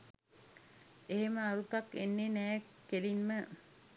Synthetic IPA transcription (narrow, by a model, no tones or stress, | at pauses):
eɦeməaɾut̪akːenːenɛː | keɾimːə